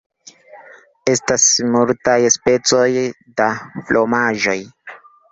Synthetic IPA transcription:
e̞stasmultajspe̞t͡so̞j | daflʔomaʒo̞j

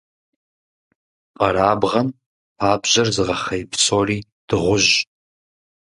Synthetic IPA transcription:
qʼɐɾaːbʁɐnʰ | aːbʑɐrzɨʁɐχɐjpʰsoːriː | d̥ɨʁʷʊʒ

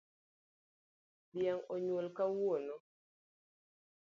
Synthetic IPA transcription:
bjɛŋoɲwolkawono

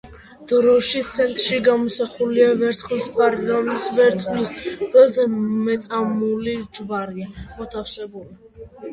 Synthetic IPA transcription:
d̪̥ɾɔʃit̪sʰɛnt̪ʼɾʃiɡamɔsaχuliavɛɾt̪sʰχlispʼaɾiɾamisvɛɾt̪sʼlisqʼwɛlˠzɛmɛt̪sʼamulid͡ʒvaɾiamɔt̪ʰafsɛbuli

